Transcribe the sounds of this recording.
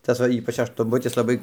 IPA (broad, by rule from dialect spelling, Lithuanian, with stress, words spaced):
ˈtɐs ʋɐ ˈiːpɐt͡ʃ ɐʃtʊnˈbʊtʲɪs lˠɐˈbɐɪ